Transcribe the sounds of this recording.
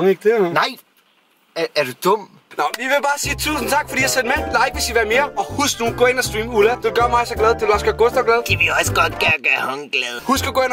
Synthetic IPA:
ŋeɡ̥̚d̥enɑɪ̰ | ɐd̥ud̥ɔm̰ | nɒiʋe̝b̥ɑ̈ːsiːt͡sʰṵːsn̩t͡sʰɑ̈ɡ̥fɒd̥ḭːɑsen̥menlɑeɡ̥ʋe̝siʋæɐme̝ːɐɒ̽husɡ̥nuːɡ̥ɔ̰ːe̝nɐsd̥ʁiːmulæd̥e̝ɡ̥ɶɐmɑ̈ɪsɒɡ̥lɛð̞ˠt͡sʰe̝lɒsɡ̥æɡ̥osd̥ɒɡ̥lɛðˠkʰæʋiɒsəɡ̥ɒd̥ɡ̥æɐɡ̥æhɔŋɡ̥lɛðˠhusɡ̥əɡoe̝n

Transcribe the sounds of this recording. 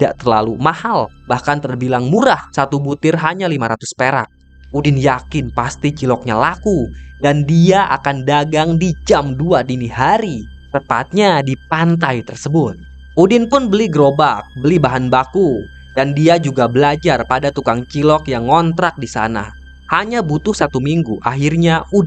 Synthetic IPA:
idaʔt̪ərla̰lumahalbahkant̪ərbilaŋmuɾahsat̪ubut̪ɪrɦaɲalimaɾat̪ʊspeɾa̰k̚ | udɪnjakɪnpast̪it͡ʃilɔk̚ɲalakudandiaʔa̰kandaɡaŋdid͡ʒamduadiniɦaɾit̪əpa̰t̪̚ɲadipant̪ajt̪ərsəbʊt̪̚ | ʔudɪnpʊnbəliɡəɾobak̚bəlibaɦanbaku | d̥andiad͡ʒuɡabəlad͡ʒarpadat̪ukaŋt͡ʃilɔkjaŋːɔnt̪ɾak̚disa̰na̰ | haɲabut̪ʊhsat̪umiŋɡuʔaɦirɲaʔud

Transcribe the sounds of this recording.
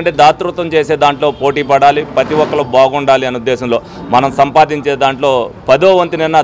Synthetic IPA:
ɳʈeːd̪aːt̪ɾut̪ɐmt͡ʃeːseːd̪aːɳʈlo̞ːpo̞ːʈiːpɐɽaːlipɾɐt̪iʋɔkːɐlɐbaːɡuɳɖaːliɐnud̪ːɛːsɐmlo̞ː | mɐnɐmsɐmpaːd̪iɲt͡ʃeːd̪aːɳʈlo̞ːpɐd̪oːʋɐnt̪ininːɐ

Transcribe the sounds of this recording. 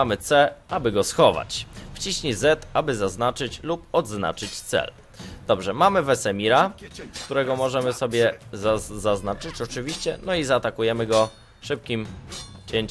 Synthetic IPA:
amɘt̪sɛabɘɡɔsxɔva̰t͡ɕft͡ɕiɕɲizɛt̪abɘzaznat͡ʂɘt͡ɕlupɔd̪zna̰t͡ʂɘt͡ɕt̪sɛ̰l | d̪̥ɔbʐɛmamɘvɛsɛmʲiɾaskt̪uɾɛɡɔmɔʐɛmɘsɔbʲjɛzaznat͡ʂɘt͡ɕɔt͡ʂɘvʲiɕt͡ɕɛnɔizaːt̪akujɛmɘɡɔ | ʂɘp̚kʲimt͡ɕeɲt͡ɕ

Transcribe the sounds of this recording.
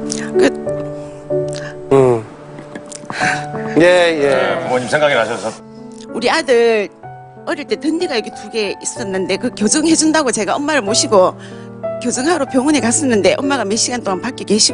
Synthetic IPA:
kɯ | jejemʌɲimsʰeŋɡaɡinɦaɕʰʌsʰʌ | uɾiadɯɾ | ʌɾjʌɭt͈e̞tɯnːiɡajʌɡituɡe̞is͈ʌnːɯnde̞kɯkjod͡ʑɯŋɦe̞d͡ʑundaɡot͡ɕe̞ɡaʌmmaɾɯɭmoɕʰiɡo | kjod͡ʑɯŋɦaɾopjoŋonekas͈ʌnːɯnde̞ʔʌmːaɣameɕ͈iɡant͈oŋanpak͈ekweɕʰi

